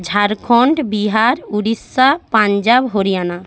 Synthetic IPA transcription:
d͡ʒʱaɾkʰɔɳʈbiɦaɾuɾisapand͡ʒabɦoɾijana

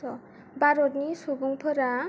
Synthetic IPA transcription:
ɔ | baɾɔt̚nisubuŋpʰɯɾa

